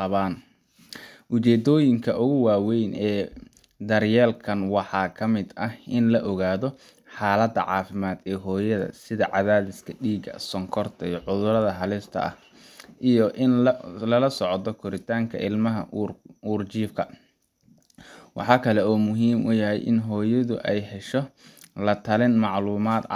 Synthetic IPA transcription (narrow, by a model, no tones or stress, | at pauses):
qɑβaːn | ʔʊt͡ʃɛːd̪ɔːjɪŋkʰɐʔʊɣʊwaːwɛjnʔɛː | d̪ɐrjɛːlkʰɐnwɑħɑːkʰɐmɪd̪ɐhʔɪnlɐʔɔɣaːðɔ | ħɑːlɐd̪ɐ̰ʕɑ̰ːfɪmaːd̪ɛːɦɔːjɐðɐ̰sɪðɐʕɑðaːðɪskʰɐɖiːɡɐ̰sɔŋkʰɔrt̪ʰɐiʕʊðʊɾɐðɐɦɐlɪst̪ʰɐ̰ɐ̰h | ʔijɔʔɪnlɐlɐsɔʕɔt̪ɔkʰʊɾɪt̪ʰaːŋkʰɐ̰ɪlmɐɦɐ̰uːrt͡ʃiːfkʰɐ | wɑ̰ħɑːkʰɐlɛɔːmʊɦiːmʔʊjɐɦɛ̰jʔɪ̰nɦɔːjɐðʊ̰ʔɛjhɛʃɔlɐt̪ʰɐlɪnmɑʕluːmaːd̪